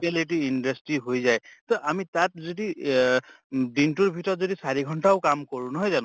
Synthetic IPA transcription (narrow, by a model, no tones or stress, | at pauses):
eleʈiːnɖʌsʈɾiɦojzajt̪ɔʔamit̪at̚zodi | ɖinʈuɹbʱiʈɔzodisaɾiɡʱɔɳʈawkamkɔɹũnɔɦɔjzañ